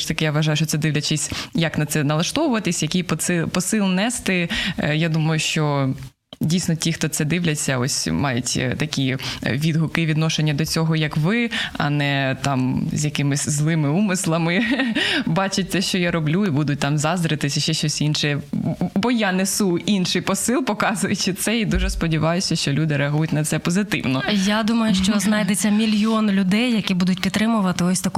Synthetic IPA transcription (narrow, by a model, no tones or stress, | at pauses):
t̪ɐkɪjaʋɐʒɑjʊʃt͡ʃɔt̪sɛd̪ɪʋlʲɐt͡ʃɪsʲjɐknɐt̪sɛnɐlˠɐʃt̪ɔʋʊʋɐt̪ɪsʲjɐkʲijpɪpɔsɪlˠnɛst̪ɪjad̪umɐjʊʃt͡ʃɔ | dʲijsʲnɔtʲixt̪ɔt̪sɛd̪ɪʋlʲɐt͡sʲːɐɔsʲmɑjʊtʲt̪ɐkʲiʋʲid̪ɦʊkɪʋʲid̪nɔʃenʲːɐd̪ɔt͡sʲɔɦɔjɐkʋɪɐ̰nɛt̪ɑmzʲjɐkɪmɪsʲzlˠɪmɪumɪslˠɐmɪ | bɑt͡ʃɪt̚ʲsɛʃt͡ʃɔjaɾɔblʲuibud̪ʊt̚ʲt̪ɑmzɑzd̪ɾɪt̪ɪsʲɐʃt͡ʃɛʃt͡ʃɔsʲinʃɛjɛbɔjanesuinʃɪjpɔsɪlˠpɔkɑzʊjʊt͡ʃɪt̪sɛid̪uʒɛspɔdʲiʋɑjʊsʲɐʃt͡ʃɔlʲud̪ɪɾɛɐɦujʊtʲnɐt̪sɛpɔzɪt̪ɪ̰wnɔjad̪umɐjʊʃt͡ʃɔznɑjd̪et͡sʲːɐmʲilʲjɔnlʲʊd̪ɛjːɐkʲibud̪ʊtʲpʲit̪t̪ːɾɪmʊʋɐt̪ɪɔsʲt̪ɐk